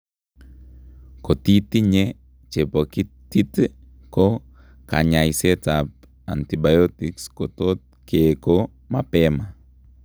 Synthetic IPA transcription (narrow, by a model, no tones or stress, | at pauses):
kotitiɲe | t͡ʃepoki | tit | ko | ka̰ɲajsetap̚ | a̰ntibajotikskotot̚ | keko | mapɛma